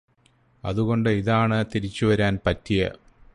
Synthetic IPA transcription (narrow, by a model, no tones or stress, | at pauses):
ɐ̰ðuɣo̞ɳɖɨiðaːɳɨt̪iɾit͡ɕːuʋɐɾaːnpɐtːijɐ̰